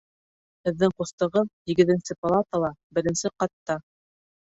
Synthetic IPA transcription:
hɘ̆ðːɘŋquθt̪ɤ̆ʁɤðhiɡɘ̆ðɘ̆nsɘpalˠat̪əlˠɑbɘ̆ɾɘ̆nsɘqɑt̪ːɑ

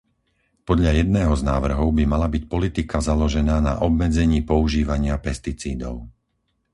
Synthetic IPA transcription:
pɔd̪ʎajɛd̪nɛːɦɔznaːʋr̩ɦɔʊbimalabicpɔlit̪ikazalɔʒɛnaːna̰ʔɔbmɛd͡zɛɲiːpɔuʒiːʋaɲɪapɛst̪it͡sḭːd̪ɔʊ

